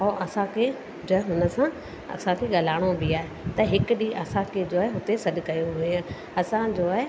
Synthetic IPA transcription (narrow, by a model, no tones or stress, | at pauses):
ɔːʔɐsãkʰe | d͡ʑoːɦɦʊnə̆sã | ɐ̰sãkʰeɠɐlaːɽ̃obɪaːɦe | t̪ɐɦɪkʊɗiʔɐsãkʰed͡ʑoːaːɦeɦʊt̪esɐɗkɐjoɦue | ɐsãd͡ʑoːaːɦe